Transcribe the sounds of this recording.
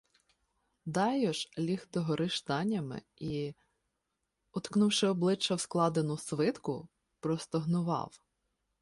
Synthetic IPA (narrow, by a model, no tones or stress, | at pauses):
d̪ɑjɔʒlʲixt̪ɔɦɔɾʔɪʃt̪ɑnʲːɐmɪ̰ | i | ɔt̪knuwʃɪɔblˠɪt͡ʃːɐwsklˠɑd̪enʊsʋɪt̪kʊ | pɾɔst̪ɔɦnʊʋɑ̰w